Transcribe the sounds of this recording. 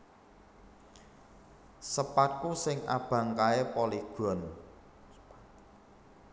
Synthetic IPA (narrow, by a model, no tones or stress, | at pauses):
səpat̪̚kusɪŋa̰b̥ä̤ŋkaepoliɡ̥ɔ̤n